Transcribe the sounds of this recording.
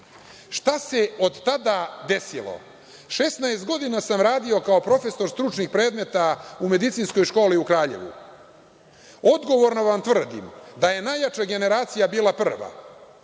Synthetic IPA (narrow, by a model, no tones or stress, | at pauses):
ʃt̪ase̞od̪t̪ad̪ad̪e̞silˠo̰ | ʃesnaest̪ɡo̞d̪inasamɾaːd̪io̞kao̞pɾo̞fe̞so̞ɾst̪ɾut͡ʃnixpɾe̞ːd̪me̞t̪aume̞d̪it̪sinsko̞jʃko̞ːliukɾaːʎe̞̰ʋṵ | o̞d̪ɡo̞ʋo̞ɾnoʋamt̪ʋrd̪ḭmd̪aje̞najat͡ʃaɡe̞ne̞ɾaːt̪sijabiːlˠapr̩ʋa̰